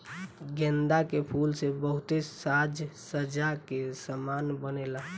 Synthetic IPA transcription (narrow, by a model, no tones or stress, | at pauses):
ɡɛ̃nd̪akepʰulsebəɦut̪esad͡ʒsəd͡ʒakesəmanbənela